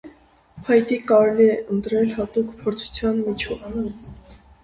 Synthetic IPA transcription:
pʰɑjt̪ikɑɾɛliɛʔənt̪ɾɛlhɑt̪ukpʰɔɾt͡sʰu̥t͡sʰjɑnmit͡ʃʰɔv

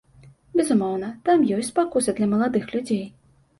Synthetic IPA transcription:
bʲɛzumɔwnɐt̪amjɔsʲt͡sʲpakuzɨd̪lʲɐmɐlˠad̪ɨxlʲud͡zʲej

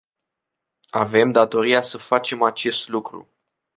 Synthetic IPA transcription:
ave̞md̪at̪o̞ɾijasəfat͡ʃe̞mat͡ʃe̞st̪lukɾṵ

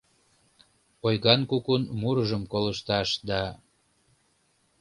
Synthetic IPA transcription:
ojɣɑnkukunmuɾəʒəmkoləʃt̪ɑʃd̪ɑ

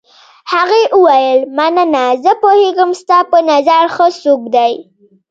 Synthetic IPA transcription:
haɣeʔuwajəlmanənazəpoheɡəmst̪ɑpənazaɾxəsokd̪aj

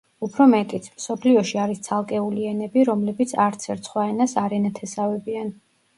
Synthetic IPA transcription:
upʰɾɔmɛt̪ʼit̪sʰmsɔpʰliɔʃiaɾist̪sʰalˠkʼɛuliɛnɛbiɾɔmlɛbit̪sʰaɾt̪sʰɛɾt̪sʰχwaɛnasaɾɛnat̪ʰɛsavɛbian

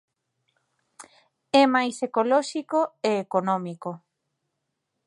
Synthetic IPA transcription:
ɛmajsekolɔʃikoeːkonɔmiko

